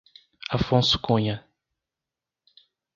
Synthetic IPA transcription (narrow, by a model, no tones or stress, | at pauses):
afõsʊ̥kũɲɐ